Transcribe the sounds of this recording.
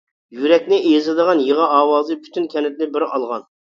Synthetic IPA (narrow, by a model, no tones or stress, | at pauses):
jyɾɛkʲnɪʔzɨd̪əʁɑnjeʁɑʔɑːwɑːzɨpʰy̥t̪ʰynkʲʰɛnɪt̪̚nɪbɪɾɑlˠʁɑn